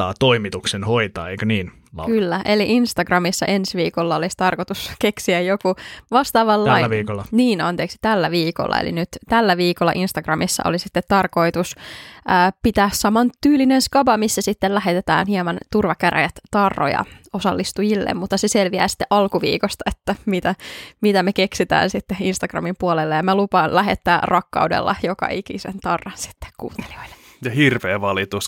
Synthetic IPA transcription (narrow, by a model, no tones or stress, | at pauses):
ɑ̰ːt̪oimit̪uksenhoit̪ɑ̰ːeikæniːn | lɑ̰kkylːæʔeliʔinst̪ɑɡrɑmisːɑʔensʋiːkolːɑolist̪ɑrkot̪uskeksiæjjokuʋɑst̪ɑːʋɑlːɑiʋiːkolːɑniːnɑnt̪eːksi̥t̪ælːæʋiːko̰lːɑ̰ḛlḭnyt̪t̪ælːæʋiːkolːɑ̰ʔinst̪ɑɡ̥rɑmisːɑ̰ʔolisit̪ːet̪ːɑrko̞it̪usəːpit̪æːssɑmɑnt̪yːlinenskɑbɑmisːæsit̪ːellæɦet̪et̪æ̰ːnhiɑmɑnt̪urʋɑkæræ̰jæt̪t̪ɑrːo̰jɑ̰osɑlːist̪ujilːḛmmut̪ːɑseselʋiæ̰ːsi̥t̪ːeʔɑlkuʋḭːkost̪ɑet̪ːæmit̪æmit̪æmekeksit̪æ̰ːnsit̪ːeinst̪ɑɡ̥rɑ̰mimpuolelːejɑmælupɑnlæɦet̪ːæːrɑkːɑ̰udḛlːɑ̰jokɑ̰ʔikḭsḛnt̪ɑrːɑnsi̥t̪ːe̥kkṵːnt̪ːe̥l̥i̥o̥il̥ːe̥ | jɑhirʋeːʋɑlit̪us